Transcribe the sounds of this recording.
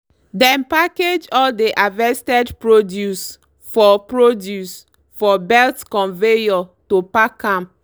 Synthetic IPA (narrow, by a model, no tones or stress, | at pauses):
dɛ̃mpaked͡ʒɔldeʔavɛstɛdpɹodjus | fɔpɹodjus | fɔbɛltkɔ̃nvejɔtopakãm